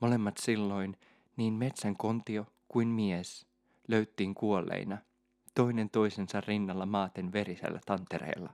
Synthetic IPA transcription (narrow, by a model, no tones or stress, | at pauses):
mo̞le̞mːɑt̪silːo̞in | niːnmet̪sæŋko̞nt̪io | kuinmies | løyt̪ːiːŋkuolːḛinɑ | t̪o̞ine̞nt̪o̞isensɑrrinːɑlːɑmɑːt̪e̞nʋe̞ɾisæ̰lːæ̰t̪ɑnt̪eɾḛːlːɑ̰